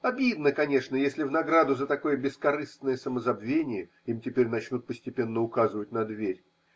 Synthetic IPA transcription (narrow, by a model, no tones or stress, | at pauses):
ɐbʲid̪nəkɐnʲe̞ʂnəjesʲlʲɪvnɐɡɾad̪ʊzət̪ɐko̞jəbʲɪskɐɾɨst̪nəjəsəməzɐbvʲenʲɪjə | imtʲɪpʲeɾʲnɐt͡ɕnut̪̚pəsʲtʲɪpʲe̞nːəʊkazɨvətʲnɐd̪vʲeɾʲ